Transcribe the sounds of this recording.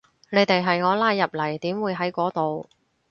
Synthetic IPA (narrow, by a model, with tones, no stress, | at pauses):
ne˨˧jt̪e˨jɦɐ˨jŋɔː˨˧laː˧jːɐ˨p̚lɐ˨˩jt̪iː˨˥mwuː˨˧jɦɐ˨˥jkʷɔː˨˥t̪o˨w